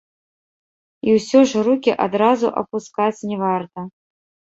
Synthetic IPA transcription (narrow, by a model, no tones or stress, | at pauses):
iwsʲɔʐrukʲiʔad̪ɾazuʔɐ̰puskat͡sʲnʲɛvart̪ɐ